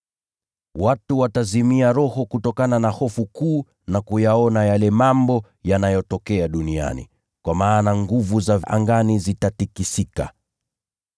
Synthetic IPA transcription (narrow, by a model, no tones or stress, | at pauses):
watuwatazimiaɾɔhɔkutɔkananahɔfukuː | nakujaɔnajalɛmambɔ | janajɔtɔkɛaɗunia̰nḭ | kwamaːnaŋɡuvuzaʔa̰ŋɡanizitatikisika̰